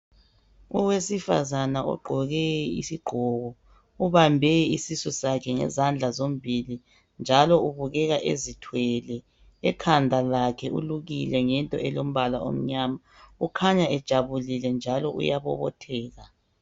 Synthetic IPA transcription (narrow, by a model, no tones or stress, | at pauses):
uwesifa̰zanaɔ̰ɡ͡ǃʱɔɣɛḭsiɡ͡ǃʱɔɣɔ | uβambʱɛisisɔsakʰɛŋɛ̰zand͡ɮʱazom̩bʱili | nd͡ʒʱalɔuβuɣɛɣaʔḛzitʰwɛlɛ | ɛkʰandʱalakʰɛʔṵluɣilɛŋɛntʼɔ̰ɛlom̩βala̰o̰m̩ɲama | ukʰaɲaɛd̥ʒ̥ʱaβulilɛnd͡ʒʱalɔʔṵjaβɔ̰βɔ̰tʰɛːɣa